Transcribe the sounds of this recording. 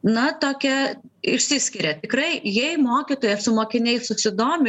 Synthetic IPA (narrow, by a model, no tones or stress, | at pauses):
nɐt̪oːkʲɛ | ɪʃʲsʲɪsʲkʲɪɾʲɛt̪ʲɪkrɐɪjɛɪmoːkʲit̪oːjɛsʊmoːkʲɪnʲɛɪsʊsʲɪd̪oːmʲɪ